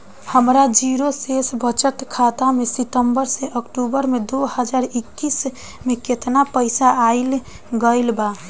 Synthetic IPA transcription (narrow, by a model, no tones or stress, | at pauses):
həmɾad͡ʒiɾosesbʱət͡ʃət̪kʰat̪amesit̪əmbəɾseʔəkʈubəɾmed̪ohəd͡ʒaɾikːis | meket̪napəɪsaaɪl | ɡəlba